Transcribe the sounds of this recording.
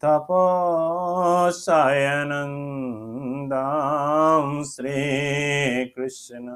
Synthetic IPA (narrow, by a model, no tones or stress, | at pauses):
t̪ʰɐpo | saːjɐnɐn | d̪a | mʃɾiː | kɾɪʃnɐ